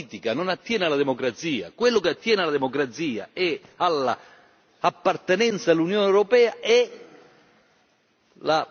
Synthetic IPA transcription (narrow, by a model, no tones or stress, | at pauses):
t̪ikanonat̪ːjɛːnalad̪emokɾat̪siːa̰kwelːʊkeat̪ːjɛːnɪalad̪emokɾat̪siːa̰ɛalːa̰ | apːart̪enɛnt̪saelːunjoːneɛwɾopɛːaɛ | la